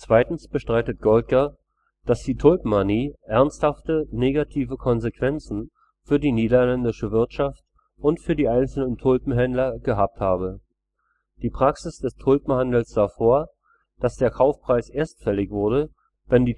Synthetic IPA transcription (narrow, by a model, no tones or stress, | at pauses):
t͡sv̥aɪtn̩sb̥əʃtʁ̥aɪtət̚ɡ̥ɔlt̚ɡ̥a | d̥asd̥iːtʰʊlpm̩maniːʔɛɐnsthaftəneːɡatʰiːvəkʰɔnzekv̥ɛnt͡sn̩ | fyːɐdiːniːdɐlɛndɪʃəvɪɐtʃaft | ʔʊntfyːɐdiːʔaɪnt͡sl̩nəntʰʊlpm̩ɦɛndlɐɡəɦaːp̚thaːbə | d̥iːpʁ̥aksɪsd̥ɛstʰʊlpm̩handl̩sz̥aːfoːɐ | d̥asd̥eːɐkʰaʊfpʁ̥aɪsʔeːɐstfɛlɪçv̥ʊɐdə | vɛndiː